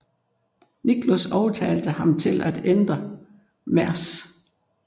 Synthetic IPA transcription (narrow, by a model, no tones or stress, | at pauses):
niɡ̥ʰlosɒʊt͡sʰɛːld̥əhɑ̈mt͡sʰe̝lʔæd̥end̥ʁɐ | mæɐs